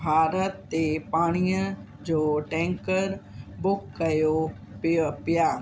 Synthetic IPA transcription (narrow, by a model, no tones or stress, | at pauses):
bʱaːɾət̪ːepaːɽ̃iə | d͡ʑoːʈɛ̃ːŋkəɾ | bʊkːɐjo | pipɪjaː